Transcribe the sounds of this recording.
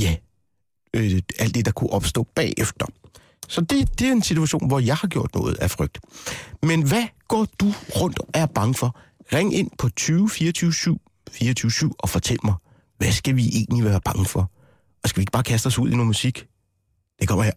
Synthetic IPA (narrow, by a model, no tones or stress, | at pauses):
jæ | æl̰d̥ːe̝d̥ɑ̈kʰuʔɒ̽b̥sd̥ɔ̰̽ːb̥ɛ̰ːefd̥ɐ | sɒ̽d̥e̝d̥e̝æɐe̝nsit͡sʰuæɕo̝̰ːnʋɒjɑ̈ɪhɑ̈ɡ̥jo̝ɐ̰d̥nɔ̽ːð̞̩ˠæfʁœɡ̥̚d̥menʋæɡ̥ɒ̰ːd̥uʁɔ̽n̰d̥æɐb̥ɑ̈ŋəfɒ̽ʁeŋe̝n̰pʰɒ̽t͡sʰyːʊfiːɐt͡sʰyːʊsyʊ̰ | fiːɐt͡sʰyːʊsyʊ̰ɒ̽fɒ̽t͡sʰel̰əmɑ̈ɪ | ʋæsɡ̥æʋiʔe̝̰ːnliʋæːɐb̥ɑ̈ŋəfɒ̽ | ɒ̽sɡ̥æʋieɡ̥ə̥b̥ɑ̈ːkʰæsd̥ɒ̽suð̞̰ˠinoːmusiɡ̥ | d̥ekʰɒm̰ɐj